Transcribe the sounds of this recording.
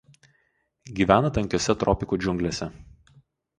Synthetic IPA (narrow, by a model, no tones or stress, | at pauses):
ɡʲiːʋʲæːnɐt̪ɐŋʲkʲoːsʲɛt̪ɾɔpʲɪkud͡ʒʲʊŋʲɡlʲeːsʲɛ